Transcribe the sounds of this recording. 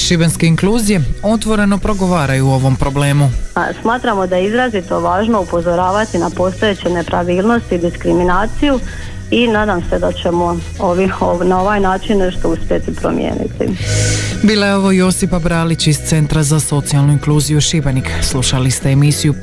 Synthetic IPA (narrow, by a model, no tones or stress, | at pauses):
ʃibenske̞iŋkluːzije̞o̞t̪ʋo̞ɾe̞no̞pɾo̞ɡo̞ʋaːɾajuːo̞ʋo̞mpɾo̞ble̞ːmusmaːt̪ɾamod̪ajeizɾazit̪oʋaːʒnoupozoɾaːʋat̪inapo̞st̪oe̞t͡ɕene̞pɾaʋiːlˠno̞st̪id̪iskɾiminaːt̪siju | inaːd̪amse̞d̪at͡ɕemo | oʋionaoʋajnaːt͡ʃinːe̞ʃt̪ouspje̞t̪ipɾo̰mjḛːnḭt̪ḭ | biːlojeo̞ʋo̞jo̞sipabɾaːlit͡ɕist̪se̞nt̪ɾazaso̞t̪sijalnuiŋkluːzijuʃibenikslˠuʃalist̪e̞ːmisiju